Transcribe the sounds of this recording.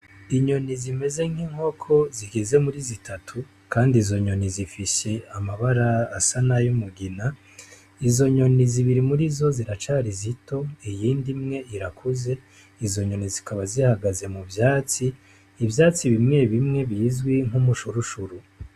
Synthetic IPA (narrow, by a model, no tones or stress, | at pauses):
iɲo̞nizime̞ze̞ŋ̥hiŋho̞kʰo̞ziɡeze̞muɾizitʰatʰu | kʰaːndiːzo̞ɲo̞nizifise̞amaβaɾaːsanajumuɡina | izo̞ɲo̞niziβiɾimuɾizo̞ziɾat͡ʃaɾizito̞ijiːndimŋe̞iɾakʰuze̞ | izo̞ɲo̞nizikaβazihaɡaze̞muvjaːt͡siː | vjaːt͡siβimŋe̞βimŋe̞βiːzɡwiŋ̥humuʃuɾuʃuɾu